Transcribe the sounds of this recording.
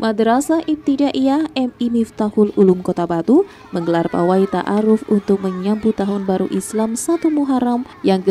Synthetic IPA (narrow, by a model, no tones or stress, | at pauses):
madɾasaʔit̪idaʔiahɛmimift̪ahʊlulumkot̪abat̪u | məŋɡəlarpa̰wait̪a̰ʔaɾʊfunt̪ʊk̚məɲambut̪aɦʊnbaɾṵʔislamsat̪umuɦaɾam | jaŋk